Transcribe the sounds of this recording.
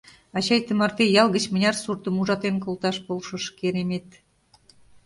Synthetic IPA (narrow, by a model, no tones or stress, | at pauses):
ɑt͡ɕɑjt̪əmɑrt̪ejɑlˠɣə̆t͡ɕmə̆nʲɑrsurt̪ə̆muʒɑt̪enkolˠt̪ɑʃbolʃɤ̆ʃkeɾemet̪